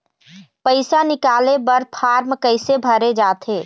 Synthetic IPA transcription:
pəɪsanɪkaːlebɐɾpʰaːɾmkəɪsebʱəɾed͡ʒaːt̪ʰeː

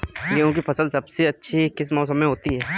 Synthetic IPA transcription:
leɦõːk̬ifʰɐsəlsɐbseɐtːʃʰikɪsmɔːs̬əmẽɦoːt̪iɦɛː

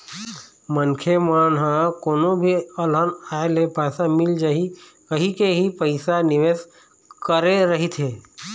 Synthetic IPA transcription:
mənkʰemaːnɦãkoːnõbʱiɐlənaːelepɛːsamɪld͡ʒaːɦi | kəɦĩkeɦipəɪsanɪʋeːs | kəɾeɾəɦit̪ʰɦeː

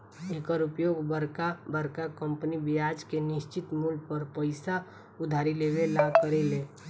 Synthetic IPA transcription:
eːkəɾʊpjoːɡbəɾkabəɾkakə̃mpnibɪjaːd͡ʒkenɪʃt͡ʃɪt̪muːlpəɾpəɪsa | ʊd̪ʱaːɾileʋelaɡkəɾeleː

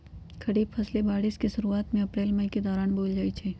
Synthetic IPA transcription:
kʰɐɽiːbpʰɐslebaːɽiskiʃɐɾuaːt̪mẽɐpɾeːlmɐiked̪ɔːɾaːnboːld͡ʒaːit͡ʃʰɛː

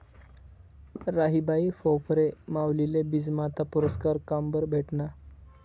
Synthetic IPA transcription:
ɾaɦibaifowpɾemawlilebid͡zmat̪ʰapuɾəskaɾkambəɾbʱeʈna

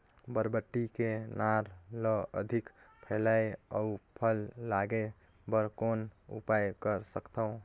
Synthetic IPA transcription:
bəɾbəʈːikenaɾləə̰d̪ʱikpʰəlajəupʰəlːaɡe | bəɾkonṵpajkəɾsəkt̪əũ

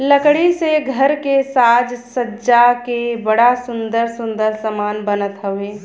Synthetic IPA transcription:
ləkɽiseɡʱəɾkesaːd͡ʒsəːd͡ʒakebəɽasʊ̃nd̪əɾsʊ̃nd̪əɾsəmaːnbənət̪ɦəʋeː

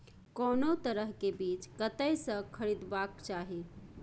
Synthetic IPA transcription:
konot̪əɾəɦkebit͡ʃkət̪əjsə̃kʰəɾid̪bakt͡ʃaɦi

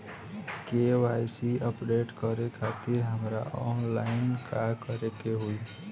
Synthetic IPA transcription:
keʋajsiəpɖeʈkəɾekʰat̪iɾɦəmɾaɔnlaɪnkʰakəɾekeɦui

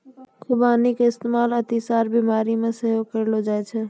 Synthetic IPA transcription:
kʰubanikɪst̪emalət̪isaɾbimaɾimeseɦokəɾlod͡ʒajt͡ʃʰɛ

